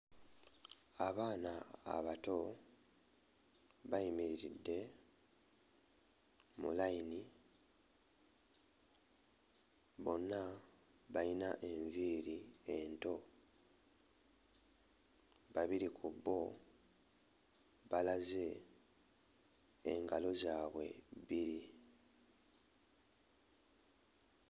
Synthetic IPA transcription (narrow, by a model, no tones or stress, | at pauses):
aβaːnaa̰βato̞ | βaimiɾiɾidːe̞ | mṵlaini | βo̞nːa | βajinaʔe̞ɱviːɾiento̞ | βaβiɾikʰubːo̞ | βalaze̞ | ŋɡalo̞zaːβwe̞̰βiɾi